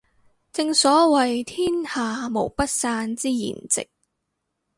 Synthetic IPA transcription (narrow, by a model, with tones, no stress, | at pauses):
t͡sɪ˧ŋsɔː˨˥wɐ˨jt̪ʰiː˥nhaː˨mo˨˩wpɐ˥t̚saː˧nt͡siː˥jḭː˨˩nt͡sɪ̰˨k̚